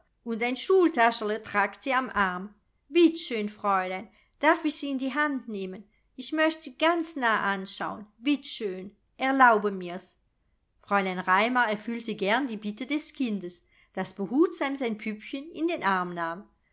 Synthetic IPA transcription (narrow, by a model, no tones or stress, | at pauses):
ʔʊntaɪnʃuːltaʃələtʁ̥aːktz̥iːamʔaʁm | v̥ɪtʃøːnfʁ̥ɔʏlaɪn | d̥aʁfɪçz̥iːɪndiːɦantneːmən | ɪçmœçtz̥iːɡant͡snaːʔanʃa̰ʊənv̥ɪtʃøːn | ʔɛɐlaʊbəmiːɐs | fʁ̥ɔʏlaɪnʁaɪmɐʁɛɐfyltəɡɛɐndiːbɪtədɛskʰɪndəs | d̥asb̥əhuːtz̥amzaɪnpʰypçənɪndeːnʔaʁmnaːm